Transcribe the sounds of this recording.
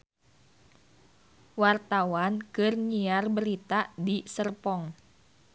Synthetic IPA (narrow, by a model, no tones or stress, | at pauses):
wart̪awankɨrɲiarbəɾit̪adisərpɔŋ